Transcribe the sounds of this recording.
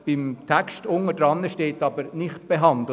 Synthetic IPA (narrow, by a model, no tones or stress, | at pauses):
b̥ɪmt̪ʰækstʊŋədɾɑnːəʃteːtɑbəɾnɪχt̚b̥eɦɑnd̪l̩